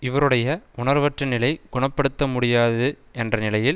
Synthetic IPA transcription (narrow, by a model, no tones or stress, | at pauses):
ɪʋɐɾɯɽɐjɐʔʊɳɐɾʋɐʈrɐnɪlɐɪɡʊɳɐpːɐɽɯt̪ːɐmʊɽɪjaːðɯ | ʔɛndrɐnɪlɐjɪl